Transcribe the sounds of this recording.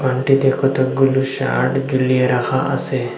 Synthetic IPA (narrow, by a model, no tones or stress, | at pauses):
pɐɳʈid̪eːkʰot̪ɐk̚ɡʊluʃa̰ːʈd͡ʒʊlijeɾɐxʰaʔɐse